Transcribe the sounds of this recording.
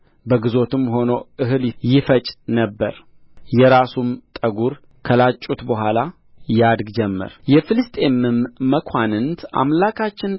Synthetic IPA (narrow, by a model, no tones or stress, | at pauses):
bəɡɨzo̞t̪ɨmːho̞noʔɨɦɨljɪfət͡ʃʼnəbːə̰ɾ | jɛɾasumt̪ʼəɡuɾ | kʰəlat͡ʃʼːut̪bəɦʷala | jad̪ɡd͡ʒɛmːɨ̰ɾjɛfɨlɨst̪ʼe̞mɨmːəkʷʰanɨnt̪ʰʔa̰mlakʰat͡ʃːɪn